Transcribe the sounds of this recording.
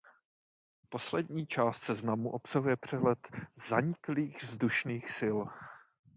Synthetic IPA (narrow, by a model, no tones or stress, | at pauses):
po̞slɛdɲiːt͡ʃaːst̪sɛznamuʔo̞psaɦujɛpr̝̥ɛɦlɛt̪zaɲɪkliːɣzduʃniːxsɪl